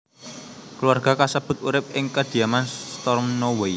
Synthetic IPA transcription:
kluarɡ̥a̤kasəb̥ʊ̤t̪̚uɾɪp̚ɪŋkəd̪̥i̤amanst̪ɔrmnowei

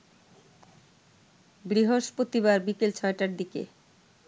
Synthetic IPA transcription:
bɾiɦoʃpɾot̪iβaɾbikelt͡ɕʰɔeʈaɾd̪ikḛ

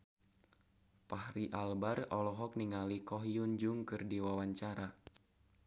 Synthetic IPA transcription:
pahɾiʔalbarɔlɔɦɔk̚niŋalikɔɦijund͡ʒʊŋkɨrdiwawaɲt͡ʃaɾa

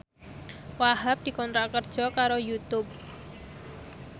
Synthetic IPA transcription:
waɦap̚d̪̥i̤kɔnt̪ɾakərd̥ʒ̥ɔ̤kaɾojut̪ʊp̚

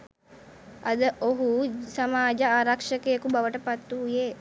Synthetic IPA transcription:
ɐd̪əʔoɦusamaːd͡ʒəaːɾakʂəkejəkubaʋəʈəpat̪ːuːje

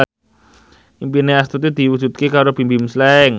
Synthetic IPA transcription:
impineast̪ut̪ud̪̥iwud͡ʒṳt̪̚kekaɾob̥imbimslɛŋ

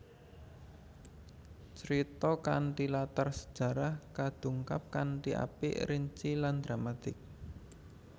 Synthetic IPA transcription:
t͡ʃəɾit̪ɔkaɳʈilat̪arsə̥d̥ʒ̥ä̤ɾahkad̪̥ṳŋkap̚kaɳʈiʔa̰pḭʔɾiɲt͡ʃiland̪ɾamat̪ɪk̚

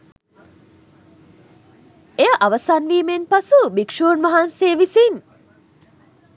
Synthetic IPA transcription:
eəʔaʋəsanʋiːmenpasubikʂoːnʋaɦanseːʋisin

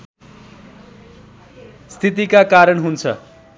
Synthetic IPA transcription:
st̪ʰit̪̬ikakaɾʌɳɦunt͡sʰʌ̰

